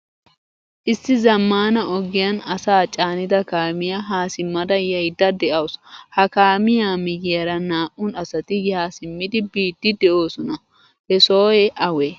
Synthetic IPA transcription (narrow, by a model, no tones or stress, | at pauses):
ʔɪsːɪzɐmːaːnɐʔɔɡɪjɐnɐsaːt͡ʃʼaːnɪd̪ɐkaːmɪjaɦaːsɪmːɐd̪ɐjɐjd̪ɐd̪ɛʔɐwshɐkaːmɪjaːmɪɡjɐɾɐnaːʔʊnɐsɐt̪ɪjaːsɪmːɪd̪ɪbiːd̪ːɪd̪ɛʔo̞ːsɔnɐ | hɛsoːjɛʔɐwɛ